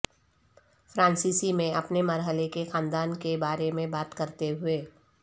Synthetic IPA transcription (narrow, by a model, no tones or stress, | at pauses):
fɾãːnsiːsimẽɐpnemɐɾɦəlekexãːnd̪aːnkebaːɾemẽbaːt̪kɐɾt̪eɦʊeː